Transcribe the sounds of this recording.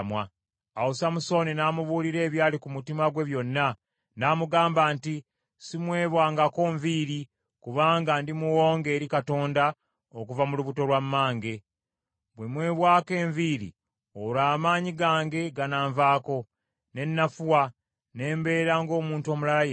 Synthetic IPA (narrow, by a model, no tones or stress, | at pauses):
mwaː | wusamuso̞ninaːmuβuːɾiɾe̞ːβjaːlikumutimaɡwe̞βjo̞nːa | naːmuɡaːmbaːnti | simwe̞ːβwaːŋɡako̞ːɱviːɾi | kuβaːŋɡandimuwo̞ːŋɡe̞ːɾikato̞ːnda | okuvamuluβuto̞lwamːaːŋɡe̞ | bwe̞mwe̞ːβwaːke̞ːɱviːɾḭ | oɾaːmaːɲiɡaːŋɡe̞ɡanaːɱvaːko̞ | ne̞nːafuwa | ne̞ːmbe̞ːɾaŋɡo̞ːmuːnto̞ːmulalaj